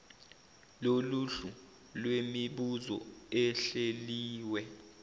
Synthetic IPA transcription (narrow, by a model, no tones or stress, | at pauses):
loluɬu | lwemiɓuzɔ̰ɛɬeliːwɛ